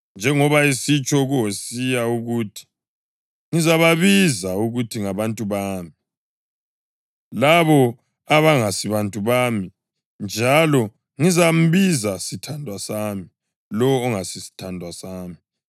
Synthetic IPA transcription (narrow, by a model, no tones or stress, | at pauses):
nd͡ʒʱɛŋɔβaisit͡ʃʼɔɣuɦosijauɣuːtʰi̥ | ŋizaβaβizauɣutʰiŋaβantʼuβaːmi | laβɔ | aβaŋasiβantʼuβaːmi | nd͡ʒʱalɔ | ŋizam̩βizasitʰandʱwasami | lɔːŋasisi̥tʰandʱwasaːmi